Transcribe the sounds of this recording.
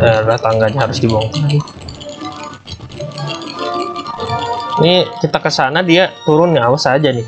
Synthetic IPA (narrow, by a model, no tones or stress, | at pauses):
əɾat̪aŋɡaɲaɦaɾʊsdibɔŋkann | nikit̪akəsanadiat̪uɾʊnawasad͡ʒanɪ